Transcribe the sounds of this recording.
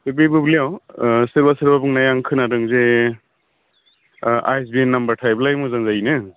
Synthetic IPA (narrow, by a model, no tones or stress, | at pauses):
bubibublijawsɯɾbasɯɾbabuŋnajaŋkʰɯnadɯŋze | ajsbienːambɐɾtʰajb̚lajmuzaŋzainɯ